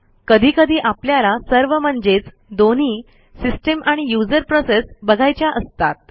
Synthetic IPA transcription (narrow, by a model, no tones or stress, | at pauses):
kəd̪ʱiːkəd̪ʱiːʔapljalasəɾʋəm̤əɳd͡zet͡s | d̪oniː | sisʈəmʔaɽ̃ijud͡zəɾpɾosesbəɡʱajt͡ɕjaʔəst̪at̪̚